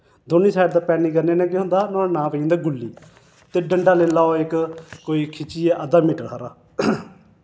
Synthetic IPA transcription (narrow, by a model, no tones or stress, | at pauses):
d̪oːnĩːsaːjʈd̪aːpɛːnĩːkəɾneːnɛ̃ːkːɦʊ̃nd̪aːnɔ̃ːnãːpəĩnd̪aːɡʊlːḭː | t̪eːɖəɳɖaːleːlaːoːɪkkːoːiːkʰɪt͡ʃiːeːʔəd̪aːmɪʈɽaːɾaː